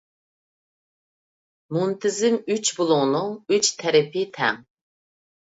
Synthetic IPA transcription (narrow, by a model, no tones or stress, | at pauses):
munt̪ʰɪzɪŋyt͡ʃbulˠʊŋnuŋyt͡ʃt̪ʰɛɾɛpit̪ʰɛ̰ŋ